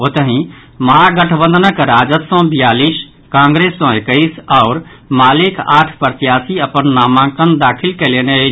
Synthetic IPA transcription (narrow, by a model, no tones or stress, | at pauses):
ot̪əɦĩ | məɦaɡəʈʰbə̃nd̪ʱənəkɾad͡ʒət̪sə̃bijalis | kãŋɡɾesːɔ̃ekəisaʊɾ | maːlikʰa̰ːʈʰpəɾt̪ijasiəpənːaːmãkənd̪akʰilkelene